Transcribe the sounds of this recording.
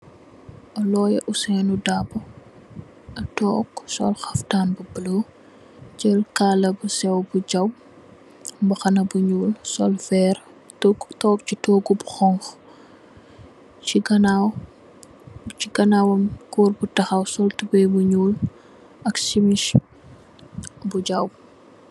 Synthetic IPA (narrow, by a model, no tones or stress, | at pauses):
ʔɐlɔːjɛ̰ʔusɛnudabɐ | ɐtɔːksɔ̰lxɐftaːnbubəlo | d͡ʒɛlkalɐbusɛwbuɟɐw | mbɐxɐnɐbuɲuːlsɔ̰lfɛːr | tːtɔːk̚t͡ʃitɔːɡubuxɔŋx | iɡɐnaw | t͡ʃiɡɐnawɐmkuːrbutɐxɐwsɔltubɛjbuɲuːl | ɐksimiʃ | buɟɐw